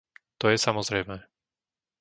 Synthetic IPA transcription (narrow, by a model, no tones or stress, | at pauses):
t̪ɔjɛsamɔzɾɛjmɛː